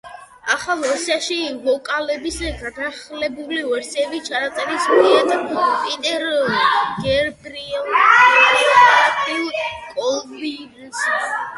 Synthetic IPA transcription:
aχalˠɔɾsiaʃivɔkʼalɛbisɛɡad̪aχlɛbulivɛɾsiɛbit͡ʃʰanat̪sʼɛɾismiad̪ɛbpʼit̪ʼɛɾɔɡɛɾbɾiɛlˠ | at̪ʰʼilkʼɔlbins

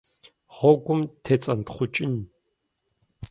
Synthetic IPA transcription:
ʁɔɡʷʼʊmtʰet͡sʼɐntχʷʊt͡ʃʼɪn

